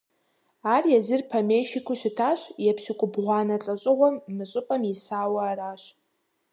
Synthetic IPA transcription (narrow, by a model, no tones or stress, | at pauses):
arjazɨrpʰamejʃikʰʷʊʃɪtʰaʃʷjapʰʃɪkʷʼʊbʁʷanat͡ɬʼaɕʷʼɪʁʷamːɨɕʷʼʊpʼamisaːwaːraʃʷ